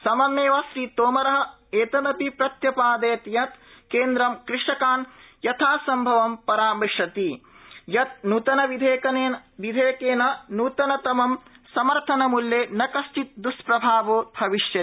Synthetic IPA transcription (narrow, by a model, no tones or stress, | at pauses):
sɐmɐmeːʋasɾiːt̪oːmɐɾɐɦɐ̆ | eːt̪ɐnɐpipɾɐt̪jɐpaːd̪eːt̪jɐt̪keːnd̪ɾɐmkɾɪʂɐkaːnjɐt̪ʰaːsɐmbʱɐʋɐmpɐɾaːmiʂɐt̪ijɐt̪̚nuːt̪ɐnɐʋid̪ʱeːkɐneːʋid̪ʱeːkeːnɐnuːt̪ɐnɐt̪ɐmɐmsɐmɐɾt̪ʰɐnɐmuljeːnɐkɐst͡ʃit̪̚d̪uʂpɾɐbʱaːʋoːbʱɐʋiʂjɐ